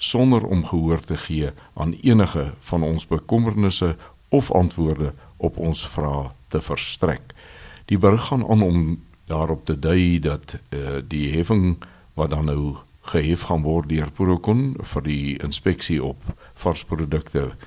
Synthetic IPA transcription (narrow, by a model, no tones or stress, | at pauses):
sɔndəɾɔ̰mχəɦuərtəχiəʔɑ̰ːniənəχəfɐnɔnsbəkɔmərnəsə | ɔfɐ̰ntvuərdəʔɔpɔnsfrɑːtəfərstrɛ̰kd̥ibərəχɑnʔɑ̰ːnɔm | dɑːɾɔp̚tədœjdɐtdiɦɛfəŋ | vɐt̚dɐnːəw | χəɦɛfχɐnvɔrt̚døərpuɾoəkɔnfərdiə̰nspɛksiɔp | fɐrsprudəktə